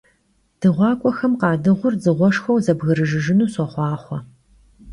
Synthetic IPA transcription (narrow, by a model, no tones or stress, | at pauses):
d̥ɨʁʷɑːkʷʼɔxɐmqɑːdɨʁʷʊrzɨʁʷɔʂxɐwzɐbɣɨɾɨʒɨʒɪnuːsɔχʷɑːχʷɔ